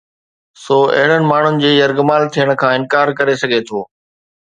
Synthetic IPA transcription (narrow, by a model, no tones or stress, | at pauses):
soːɐ̰ɦɪɽ̤ənɪ̆maːɳ̤ʊnɪ̆d͡ʑeːjɐɾɡʊmaːlt̪ʰijəɽ̃kʰãːɪ̃nkaːɾkɐɾesɐɡʱet̪ʰoː